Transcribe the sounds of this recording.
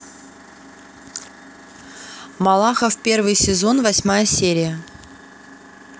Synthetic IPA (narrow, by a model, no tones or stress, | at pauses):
mɐlˠaxəfpʲe̞rvɨjsʲɪzo̞nvɐsʲmajəsʲeɾʲɪjə